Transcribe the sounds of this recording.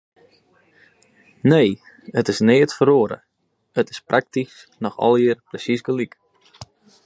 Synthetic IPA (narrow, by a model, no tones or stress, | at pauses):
neː | ətɪsneːətfəɾoəɾə̰ | ətɪ̥sprʔak̚tis | nɔxɔ̰lˠɪərprəsisɡəlik